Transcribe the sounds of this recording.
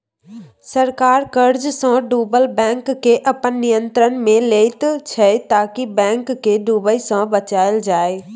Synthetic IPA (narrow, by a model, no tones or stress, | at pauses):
səɾkaːɾkəɾd͡ʒsãɖuːbəlbɛ̃ːŋkːeʔɐpənːijə̃nt̪ɾənmẽleːit̪t͡ʃʰɐet̪aːkibɛ̃ːŋkːeɖuːbəisãbɐt͡ʃaːəld͡ʒaːe